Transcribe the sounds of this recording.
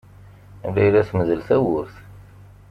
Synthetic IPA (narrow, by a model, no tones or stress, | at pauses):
læjɾæθməðəlθæwʊɾθ